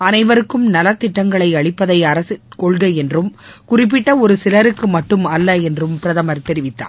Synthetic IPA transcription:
ɐnɐɪʋɐɾɯkːɯmnɐlɐt̪ːɪʈːɐŋɡɐɭɐɪɐɭɪpːɐðɐɪɐɾɐsɯkɔɭɣɐɪɛndrɯmkʊrɪp̬ːɪʈːɐɔɾɯsɪlɐɾɯkːɯmɐʈːɯmɐlːɐɛndrɯmpɪɾɐðɐmɐɾt̪ɛɾɪʋɪt̪ːa̰ː

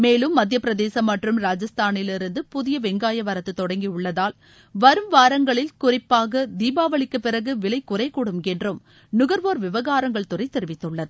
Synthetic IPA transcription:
meːlɯmːɐd̪ʱjɐpːɪɾɐðeːsɐmːɐʈrɯmɾaːd͡ʒɐst̪aːnɪlɪɾɯnd̪ɯpʊðɪjɐʋɛŋɡaːjɐʋɐɾɐt̪ːɯt̪ːɔɽɐŋɡiʊɭːɐðaːl | ʋɐɾɯmʋaːɾɐŋɡɐɭɪlkʊrɪpːaːɣɐd̪iːbaːʋɐɭɪkːɯpːɪɾɐɣɯʋɪɭɐɪkːʊrɐɪkːuːɽɯmɛndrɯm | nʊɣɐɾʋoːɾʋɪʋɐɣaːɾɐŋɡɐɭt̪ʊrɐɪt̪ːɛɾɪʋɪt̪ːɯɭːɐðɯ

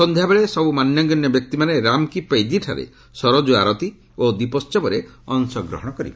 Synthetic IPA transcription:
sɔnd̪ʱjabeɭesɔbumanjɔɡɔnjɔbjɔk̚t̪imaneɾamkipejd͡ʒiʈʰa̰ɾḛ | sɔɾɔd͡ʒuaɾɔt̪i | od̪ipɔst͡ʃɔbɔɾe | ɔnsɔɡɾɔ̰ɦɔɽ̃ɔkɔɾḭbe

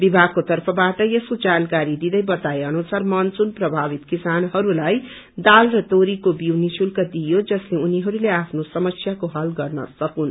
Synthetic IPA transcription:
bibʱaɡ̚kot̪ʌrpʰʌbaʈʌjeskod͡zankaɾid̪id̪ʌjbʌt̪aeʌnusarmʌnt͡sunprʌbʱabit̪kisanɦʌɾulaj | d̪alrʌt̪oɾikobiwnisʰulkʌd̪ijod͡zʌsleuniɦʌɾuleapʰnosʌmʌsjakoɦʌlɡʌrnʌ̰sʌkun

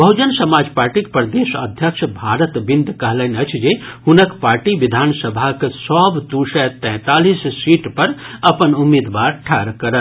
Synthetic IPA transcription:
bəɦud͡ʒənsəmad͡ʒpaɾʈikpɾəd̪esəd̪ʱjəkʃʰbʱaɾət̪bind̪kəɦlənət͡ʃʰd͡ʒehunəkpaɾʈiʋid̪ʱansəbʱaksɔbd̪usɛt̪ɛ̃ːt̪alissiʈpəɾɐpənumːid̪ʋaɾʈʰɛɾkəɾə

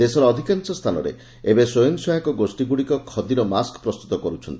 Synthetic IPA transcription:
d̪esɔɾɔːd̪ʱikansɔst̪ʰanɔ̰ɾḛ | ebesojɔnsɔɦakɔɡosʈiɡuɽikɔkʰɔd̪iɾɔmaskɔ̥pɾɔst̪ut̪ɔkɔɾut͡ʃʰɔnt̪ii

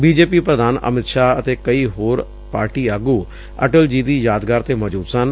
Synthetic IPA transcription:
biːd͡ʒeːpiːpɾəd̪ʱaːnə̰mɪt̪ʃaːət̪eːkəiːɦoːɾ | paːɾʈiːəɡuː | ə̰ʈəld͡ʒiːd̪iːjaːd̪ɡaːɾt̪eːməd͡ʒuːd̪sən

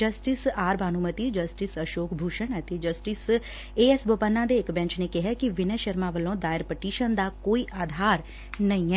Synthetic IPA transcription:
d͡ʒəsʈɪsaːɾbaːnumət̪iːd͡ʒəsʈɪsəʃoːkbʱuːʃəɳɛːt̪eːd͡ʒəsʈɪs | eːɛsbəpənːãːd̪eːɪkbɛ̃nt͡ʃneːkɪɦɛːkɪʋɪnɛːʃəɾmãːʋəlːõːd̪aːɪɾpəʈiːʃənd̪aːkoːiːʔaːd̪ʱaːɾ | nəĩːɛː

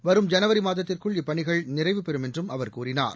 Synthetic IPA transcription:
ʋɐɾɯmd͡ʒɐnɐʋɐɾimaːðɐt̪ːɪrkɯɭɪpːɐɳɪɣɐɭnɪrɐɪʋɯpɛɾɯmɛndrɯmɐʋɐɾkuːrɪna̰ːɾ

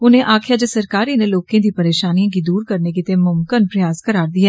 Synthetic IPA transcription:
ʊnẽːʔaːkʰjaːd͡ʒəsəɾkaːɾiːneːloːkẽːd̪iːpəɾeːʃaːnijãːɡiːd̪uːɾkəɾneːkɪt̪eːmʊmkənpɾɪjaːskəɾaːɾd̪iːɛː

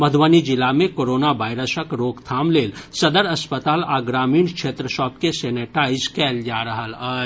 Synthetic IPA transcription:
mɐd̪ʱʋaːnid͡ʒɪlamẽkoːɾoːnaʋaːɪɾəsəkɾoːkt̪ʰaːmleːlsɐd̪əɾɐspət̪aːlaːɡɾaːmiːɳkʃʰeːt̪ɾəʃɔːpkeseːneʈaːɪd͡ʒkɛːld͡ʒaːɾɐɦəlaː

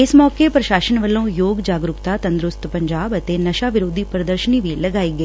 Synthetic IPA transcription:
ɪsmɔːkepɾəʃaːsənʋəlːõːjoːɡd͡ʒaːɡɾʊkt̪aːt̪ə̃nd̪ɾʊst̪pəɲd͡ʒaːbət̪eːnəʃaːʋɪɾoːd̪ʱiːpɾəd̪əɾʃəniːʋiːləɡaːiːɡəː

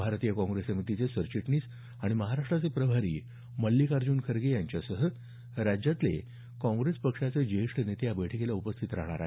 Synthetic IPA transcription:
bʱaɾt̪ijəkɔ̃ŋɡɾesəmit̪it͡sesəɾt͡ɕiʈniːs | aɽ̃iməɦaɾaʂʈɾat͡sepɾəbʱaɾḭː | məlːikaɾd͡ʑuːnkʰəɾɡejaɲt͡ɕjasəɦə | ɾad͡ʑjat̪lḛ | kɔ̃ŋɡɾespəkʂat͡sed͡ʑeʂʈnet̪ejabəjʈʰəkelaupəst̪ʰit̪ɾa̰ɦɽ̃a̰ɾa̰

